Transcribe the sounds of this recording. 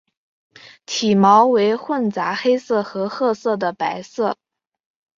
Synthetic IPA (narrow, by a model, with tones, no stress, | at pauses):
t̪ʰi˨˩mɑ˧˥ʊwe˧˥ɪxwə˥˩nt͡sa˧˥xe˥ɪsɤ˥˩xɤ˧˥xɤ˥˧sɤ˥˩d̪ə˩pa˧˥ɪsɤ˥˩